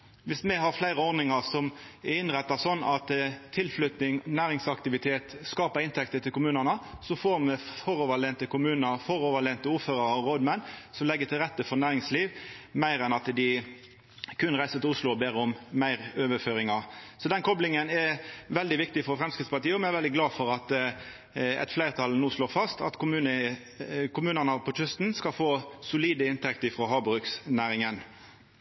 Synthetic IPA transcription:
ʋɪsmɛɦɑɾflæɪɾəɔɾnɪŋɑʁsɔmɛɪnʁɛt̪ːɑsɔnːɑt̪t̪ʰːɪlflʏt̪nɪŋnæːɾɪŋsɑkt̪ɪʋɪt̪ʰeːt̪skɑːpəɾɪnt̪ʰɛkt̪ət̪ʰɪlkʊmʉːnənəsɔfoːɾmɛfɔɾoːʋəleːnt̪əkʊmʉːnəɾfɔɾoːʋəleːnt̪əuːføːɾɑʁɔɾoːd̪mɛnsɔmlɛɡːət̪ʰɪlʁɛt̪ːəfɔnæːɾɪŋsliːʋmæɪɾɛnɑt̪d̪ɪ | kʉnʁæɪsət̪ɪlʊslʊɔbeːʁəʊmmæɪʁøːʋəføːɾɪŋɑsɔd̪ɛnkʰɔblɪŋənɛʋɛld̪ɪʋɪk̚t̪ɪfɔɾfɾʁɛmskɪt̪spɑt̪iːəɔmɛnɛʁʋɛld̪ɪɡlɑːfɔɾɑt̪ | ɛ̰t̪flæɪʁt̪ʰɑlnuːsloːʁfɑst̪ɑ̰t̪kʊmʉːnə | kʰʊmʉːnənəpʰɔtʏst̪n̩skɑlfoːsʊliːd̪əɪnt̪ʰɛkt̪əɪfʁoːɦɑːbʁʉːksnæːʁɪŋən

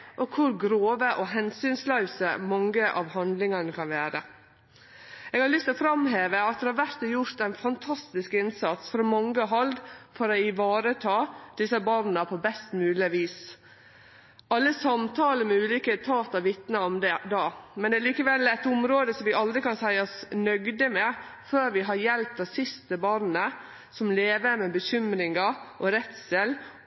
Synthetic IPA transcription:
ʔɔkʰʊɾɡɾoːʋəʔɔɦɛnsyːnslœʉsəmɑŋːəʔɑ̰ʋhɑnd̪lɪŋɑnəkʰɑnʋæːɾə | eɛːɡhɑɾlʏst̪ɔfɾɑmɦeːʋəɑt̪̚d̪ɛhɑɾʋæɾt̪ɛjʊɾt̪æɪnfɑnt̪ʰɑst̪ɪskɪnsɑt̪sfɾɔmɑŋːəɔɦɑlɡ̪fɔɾɔɪʋɑːɾət̪ʰɑːd̪̥ɪsəbɑɾnəpʰɔbɛst̪mʉːlɪʋiːs | ʔɑlːəsɑmt̪ʰɑːləmɛʉːliːkət̪ʰɑːt̪ɑʋʋɪt̪nəɔmd̪ɛd̪ɑːmɛnd̪ɛæːliːkəʋɛlːɛt̪ʊmɾoːd̪əsɔmʋɪʔɑld̪ɾɪkɑnsæɪɔsnœɡd̪əmɛføːɾʋɪɦɑɾjɛlpt̪ɑsɪst̪əbɑɾnə | sɔmleːʋəɾmɛbəçʏmɾɪŋɑʔɔɾɛt̪sɛl

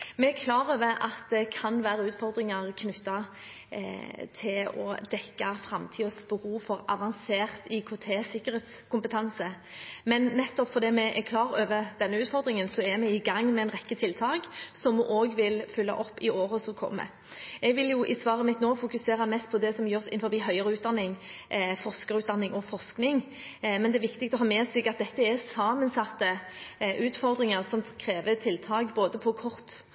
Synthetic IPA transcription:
mɛækʰlɑːɾøːʋəʔɑt̪̚d̪ɛkʰɑnʋæːɾəʉːt̪fɔɾd̪ɾɪŋɑʁkʰnʉt̪ːɑ | t̪ʰɪlɔ̰d̪ɛkːɑfɾɑmt̪ʰiːɔsbəhuːfɔɾɑʋɑnseːʁt̪ɪkʰʊt̪ʰeːsɪkːəɾheːt̪skʰʊmpət̪ʰɑnsə | mɛnːɛt̪ːɔpfɔʁd̪iːmɛʔɛkʰlɑːɾøːʋəd̪̥ɛnːəʉːt̪fɔɾd̪ɾɪŋənsɔɛmɛɪɡɑŋːmɛɛnʁɛkːət̪ʰɪlt̪ʰɑːɡsɔmʔoːɡʋɪlfʏlːɑ̰ʔɔpːɪoːʁəsɔkʰɔ̰mːə̰ | ɛɡʋɪljʊʔɪsʋɑːʁəmɪt̪noːfʊkʉseːɾɑmɛst̪̚pʰɔd̪ɛsɔmjøːʁsɪ̰nfɔɾbiːɦœʏəɾəʉːt̪̚d̪ɑnːɪŋfɔʁskəʁʉːt̪d̪ɑnːɪŋɔfɔʁsknɪŋ | mɛnd̪ɛæɾʋɪkt̪ɪk̚t̪ɔɦɑːmɛːsɪɡɑt̪̚d̪ɛt̪ːəɛsɑːmənsɑt̪ːəʔʉːt̪fɔʁd̪ɾɪŋəʁsɔmkʰɾeːʋət̪ʰɪlːt̪ʰɑːɡboːd̪əpʰɔkʰɔʁt̪

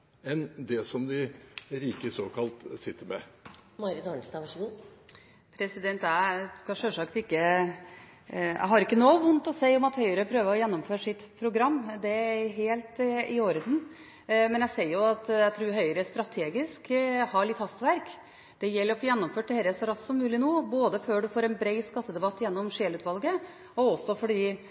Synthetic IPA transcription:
ɛnd̪ɛsɔmd̪ɪɾiːkəsoːkʰɑlt̪sɪt̪ːəmɛ̰mɑɾɪt̪ɑɳsnɑʋʂu | pʰɾɛsɪd̪ɛnt̪æskɑʂøːʂɑkt̪ɪkːə | æ̰ɦɑɾɪkːənoːʋʊnt̪ɔseɪɔmɑt̪hœʏəɾəpʰɾøːʋəɔjɛnːɔmføːɾʂɪt̪pʰɾʊɡɾɑmːd̪ɛɦeːlt̪ɪoːɾəd̪n̩ | mɛnjæsɛɪɾjʊɑt̪jæɡt̪ʰɾʉːɾɦœʏəɾəst̪ɾɑt̪ʰeːɡɪskhɑɭɪt̪hɑst̪ʋæɾk | d̪̥ɛjɛlːəɾɔfoːjɛnːɔmføːʈ̚t̪ɛhɛɾəsɔɾɑsːɔmːʉːlɪnoːboːd̪əføːɖʉfoːɾɛnbɾɛɪskɑt̪ːəd̪ɛbɑt̪ːjɛnːɔmʂeːlʉːt̪ʋɑlɡə | ɔɔsːɔfɔɖiː

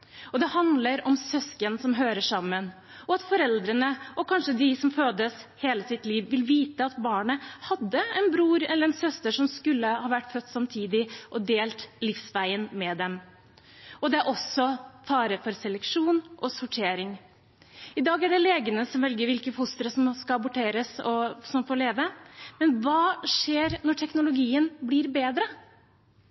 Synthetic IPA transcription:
ɔd̪ɛhɑnd̪ləɾɔmsœskənsɔmɦøːɾəʂɑmːən | ɔɑt̪fɔɾɛld̪ɾənəʔɔkʰɑnʂəd̪ɪsɔmføːd̪əsheːləsɪt̪liːʋʋɪlʋiːt̪əɑt̪bɑːɳəhɑd̪ːəɛnbɾuːɾɛlːəɾɛnsœst̪əʂɔmskʉlːəhɑːʋæʈːfœt̪ːsɑmt̪ʰiːd̪ɪʔɔd̪eːlt̪lɪfsʋæɪənmɛd̪ɛm | ɔd̪ɛæɾʔɔsːɔfɑːɾəfɔɾsɛlɛkʂuːnʔɔsʊʈʰeːɾɪŋ | ɪd̪ɑːɡæɖɛleːɡənəsɔmʋɛlɡəɾʋɪlkəfʊst̪əɾəsɔmskɑɑbʊʈʰeːɾəsɔsɔmfɔɭeːʋəmɛnʋɑːʂeːɾnɔʈʰɛknʊlʊɡiːənblɪːɾbeːd̪ɾə

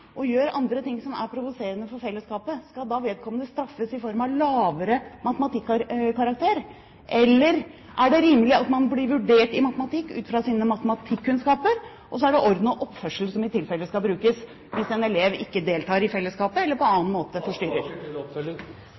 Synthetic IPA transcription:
ʔɔjøːɾɑnd̪ɾət̪ɪŋːsɔmæ̰ɾpʰɾʊʋʊseːɾənəfɔɾfɛlːəskɑːpəskɑd̪ɑːʋeːd̪̚kʰɔmːənəst̪ɾɑfːəsɪfɔɾmɑʋlɑːʋəɾəmɑt̪əmɑt̪ɪkːɾkɑɾɑk̚t̪ʰeːɾ | ʔɛlːəɾ | ʔæɖɛɾiːməlɪɑt̪mɑnblɪɾʋʉɖeːʈɪmɑt̪əmɑt̪ʰɪkːʉ̰ːt̪fɾɑsiːnəmɑt̪əmɑt̪ʰɪkːʉnskɑːpəɾ | ʔɔs̬ɔæɖɛʔɔɾd̪n̩ɔʔɔpːfœʂəlsɔmɪt̪ɪlfɛlːəskɑbɾʉːkəs | ʋɪsɛnɛleːʋɪkːəd̪eːlt̪ʰɑːɾɪfɛlːəskɑːpəɛlːəɾpɔɑːənmoːt̪əfɔʂʈʏɾəɾ

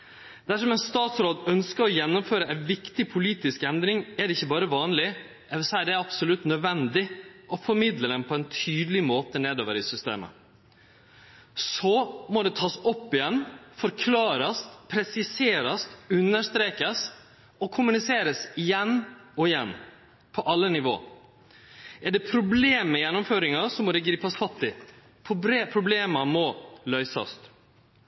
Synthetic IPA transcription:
d̪̥æʂɔmɛnst̪ɑːt̪sɾoːd̪œnskəɾɔjɛnːʊmføːɾəʔæɪnʋɪkt̪ɪpʰʊliːt̪ɪskɛnd̪ɾɪŋɛɖ̪ɛɪçːəbɑːɾəʋɑːnlɪ | ʔɛʋəsæɪɖ̪ɛæɾɑbsʊlʉt̪nœd̪ʋɛnd̪ɪʔɔfɔɾmɪd̪ləd̪ɛnpʰɔɛnt̪ʰyːd̪əlɪmoːt̪əneːd̪oːʋəɾɪsʏst̪ḛːmə̰ | sɔmɔd̪ɛt̪ʰɑːsɔpːɪjɛnːfɔɾkʰlɑːɾɑst̪pʰɾɛsɪseːɾɑst̪ʉnːəʂt̪ɾeːkəs | ɔkʰʊmʉnɪseːɾəsɪjɛnːɔɪjɛnː | pʰɔʔɑlːənɪʋo̰ː | ɛɖɛpʰɾʊbleːmːɛjɛnːʊmføːɾɪŋɑsɔmɔd̪ɛɡɾiːpɑsfɑt̪ːɪ | pʰɾʊbleːmɑmɔlœʏsɑ̰st̪

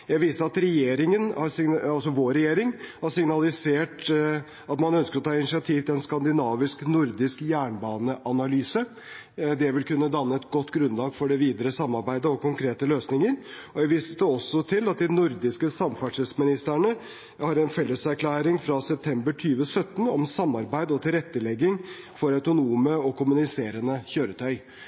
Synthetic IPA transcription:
jæɪʋiːsəɾɑt̪ɾɛjeːɾɪŋənhɑɾsɪɑlsɔʋoːɾɛjeːɾɪŋhɑɾsɪŋnɑlɪseːʈ | ɑt̪mɑnœnskəɾɔt̪ʰɑːɪnɪsɪɑt̪ʰiːʋt̪ɪlɛnskɑnd̪ɪnɑːʋɪsknʊɾd̪ɪskjæːɳbɑːnəʔɑnɑlyːsə | d̪ɛʋɪlkʉnːəd̪ɑnːəɛt̪ɡɔt̪ːɡɾʉnlɑːɡfɔɖɛʋiːd̪əɾəsɑmːɑɾbæɪd̪əɔkʊŋkɾeːt̪əløːsnɪŋəɾɔjæʋiːst̪ə̥sd̪ɛɔsːɔt̪ʰɪlːɑt̪̚d̪ɪnʊɾd̪ɪskəsɑmfæʂɛlsmɪnɪst̪əɳə | hɑɾɛnfɛlːəsæɾkʰlæːɾɪŋfɾɑsɛp̚t̪ʰɛmbəʈʰyːʋəsœt̪ːn̩ɔmsɑmːɑɾbæɪd̪əɔt̪ʰɪlɾɛt̪ːəlɛɡːɪŋ | fɔɾɑʉt̪ʊnuːməɔkʊmʉnɪseːɾənəçøːɾət̪ʰœʏ

